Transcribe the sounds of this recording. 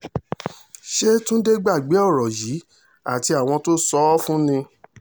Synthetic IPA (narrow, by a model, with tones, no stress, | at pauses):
ʃe˦tũ˦de˦ɡ͡ba˦˨ɡ͡be˨˦ɔ˦˨ɾɔ˨ji˨˦ | a˦˨ti˧a˨w̃ɔ̃˧to˦sɔ˦fũ˦nĩ˧